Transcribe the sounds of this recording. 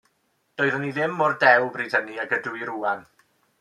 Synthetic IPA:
d̥ɔːɨðəniðɪmːɔrdɛwbriːd̥həniaɡəduɨɾuːan

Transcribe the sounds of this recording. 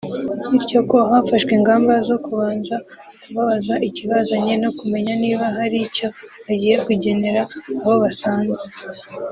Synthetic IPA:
iɾco̞ko̞ɦafaʃkwiːŋɡaːmbazo̞kuβaːnza | kuβaβazaʔiciβazaɲe̞no̞kume̞ɲaniːβaɦaɾico̞βaɟiːje̞kuɟe̞ne̞ɾaːβo̞βasaːnze

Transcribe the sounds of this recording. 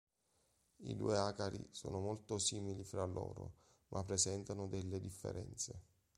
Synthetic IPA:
ḭd̪ṵːeakaɾḭsoːnomolt̪osiːmilifɾalːo̰ːɾo̰ | mʔapːɾezɛnt̪anod̪ɛlːed̪ifːḛɾɛnt̪se

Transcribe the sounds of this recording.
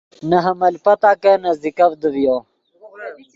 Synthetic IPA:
naɦɐmɐlpɐt̪aːkɐnɐzd̪ikɐvd̪əvjo

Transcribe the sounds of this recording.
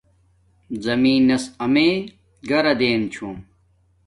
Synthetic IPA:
zɐmiːnːɐsɐmeː | ɡɐɾɐd̪eːnt͡ɕʰum

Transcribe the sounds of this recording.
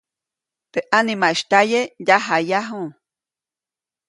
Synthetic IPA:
t̪eʔanimaiʃt̪ajejaɦajaɦũ

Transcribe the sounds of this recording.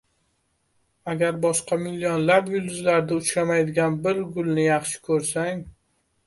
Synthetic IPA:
aɡʲaɾbɒʃqɑmɪlːionlapjʊld̪ʊzlaɾd̪aʊt͡ʃɾamajd̪ɪɡʲanbɪɾɡʊlˠnɪjɑχʃɪ̥kʰɵɾsaŋ

